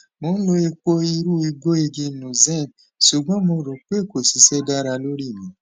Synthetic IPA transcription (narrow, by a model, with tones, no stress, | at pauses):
mo˨˦n̩˦lo˧e˧k͡po˦i˧ɾu˦i˧ɡo˦e˧d͡ʒe˧˦˨nũ˨zɛ̃˦˨ | su˨ɡ͡bɔ̃˦mo˧˨ɾo˨k͡pe˦˨ko˨si˨˦sɛ˦da˦ɾa˧lo˦ɾi˦˨mĩ˨˦